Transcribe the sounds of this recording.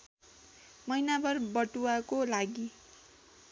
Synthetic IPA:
mʌjnabʌrbʌʈuakolaɡi

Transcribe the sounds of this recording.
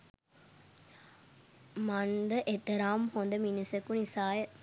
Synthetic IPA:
mand̪əʔet̪ːɐɾaːmhond̪əminisekːunisaːjə

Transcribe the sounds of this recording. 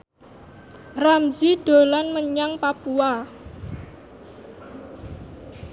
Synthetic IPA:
ramd͡ʒiɖ̥o̤lanməɲaŋpapua

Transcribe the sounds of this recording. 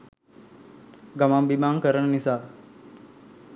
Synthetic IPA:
ɡamambimaːŋkəɾənənisaː

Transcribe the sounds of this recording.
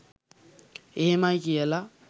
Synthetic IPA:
emakɛla

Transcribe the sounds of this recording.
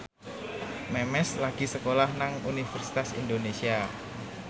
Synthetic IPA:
mɛmɛslaɡ̥isəkolahnaŋunifərsi̥t̪asḭndonesia

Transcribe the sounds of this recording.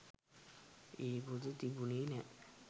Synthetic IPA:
eːbud̪ət̪ibuniːnɛ

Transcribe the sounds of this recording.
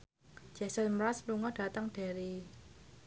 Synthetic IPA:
d͡ʒ̥ɛsɔnmɾaspluŋɔd̥a̤t̪əŋɖ̥a̤ɾi

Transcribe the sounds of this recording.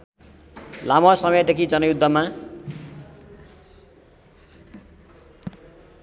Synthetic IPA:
lamʌsʌmʌjʌd̪ekʰid͡zʌnʌjud̪ʱːʌma

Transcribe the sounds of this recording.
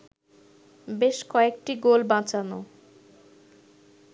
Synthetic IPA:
beʃkɔek̚ʈiɡolbãt͡ɕano̰

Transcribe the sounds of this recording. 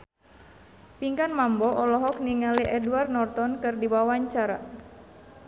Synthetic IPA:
piŋkanmambɔʔɔlɔɦɔk̚niŋaliʔɛduarnɔrt̪ɔnkɨrdiwawaɲt͡ʃaɾa

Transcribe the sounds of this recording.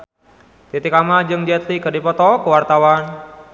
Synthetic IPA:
t̪it̪ikamad͡ʒɨŋd͡ʒɛt̪likərdipɔt̪ɔkəwart̪awan

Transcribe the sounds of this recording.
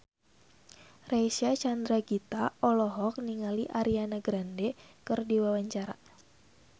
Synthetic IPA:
rasat͡ʃand̪ɾaɡit̪aɔlɔɦɔk̚niŋaliʔaɾianaɡɾandɛkɨrdiwawaɲt͡ʃaɾa̰

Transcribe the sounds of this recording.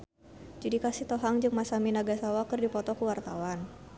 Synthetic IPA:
d͡ʒadikasiht̪ɔɦaŋd͡ʒɨŋmasaminaɡasawakərdipɔt̪ɔkuwart̪awan

